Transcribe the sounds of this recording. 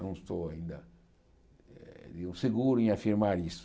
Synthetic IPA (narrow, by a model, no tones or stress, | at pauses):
nɐ̃w̃ɪst̪owaĩnd̪ɐ | ɛd̪iɐmʊseɡuɾʊĩafiɾmaɾis